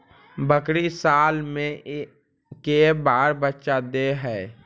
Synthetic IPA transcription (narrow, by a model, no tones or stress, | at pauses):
bəkɾisaːlmẽ | kebaːɾbətːʃad̪eɦɛː